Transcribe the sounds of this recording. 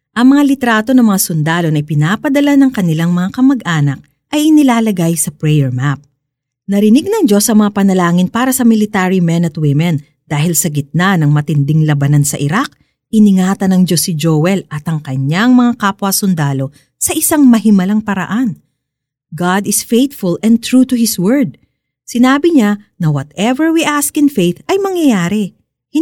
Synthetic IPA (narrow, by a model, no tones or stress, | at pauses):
ʔɐŋmɐŋalɪt̪ɾaːt̪o̞nɐŋmɐŋasʊnd̪aːlo̞nɐʔɪjpɪnaːpɐd̪ɐlanɐŋkɐnɪlaŋmɐŋakɐmɐɡʔaːnɐk̚ | ʔɐjɪnɪlaːlɐɡajsɐpɹɛjɛɹmap̚ | nɐɾɪnɪɡ̚nɐŋd͡ʒo̞sɐŋmɐŋapɐnɐlaːŋɪnpaːɾɐsɐmɪlɪt̪aːɾimɛnɐt̪̚wɪmɛn | d̪̥aːhɪlsɐɡɪt̪̚nanɐŋmɐt̪ɪnd̪ɪŋlɐbɐnansɐ̰ʔɪɾak̚ | ɪnɪŋaːt̪ɐnɐŋd͡ʒo̞sɪd͡ʒowɛlʔɐt̪ɐŋkɐɲaŋmɐŋakapwɐsʊnd̪aːlo̞ | sɐʔɪsaŋmɐɦɪmɐlaŋpɐɾɐ̰ʔan | ɡad̪ɪsfejt̪fʊlɛ̃nt̪ɹut̪ʊhɪswɛɹd̪̚ | sɪnaːbɪɲanɐwɐt̪ɛvɛɹwiʔaskɪnfejt̪ɐjmɐŋjɐjaːɾɛ